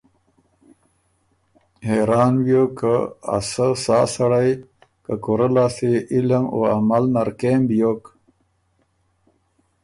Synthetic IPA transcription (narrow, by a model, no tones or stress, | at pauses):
heɾɑːnwjokaa̰səsaːsaɽaj | kakoɾəlaːseiləmo̰a̰malnaɾkembijok